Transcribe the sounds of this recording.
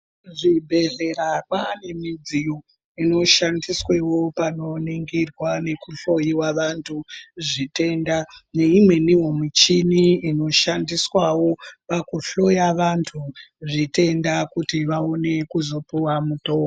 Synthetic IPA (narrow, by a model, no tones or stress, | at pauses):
ʐibʱe̞ɮe̞rawane̞mid͡zijo | ino̞ʃandiswe̞wo̞pano̞niŋɡirwane̞kuɬo̞jiwaʋantʰuʐite̞ndane̞imwe̞niwomit͡ʃiniino̞ʃandiswawo̞pakuɬo̞jaʋantʰuʐite̞ndakutiʋaone̞kuzo̞puwamutoː